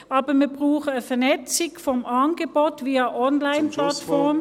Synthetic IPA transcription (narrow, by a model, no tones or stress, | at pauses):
ʔɑːbɐmiɐbʁuːxəfɛɐnɛt͡sɪkfɔmʔɑnɡəboːtviːɐʔɔnlaɪnplatfɔɐm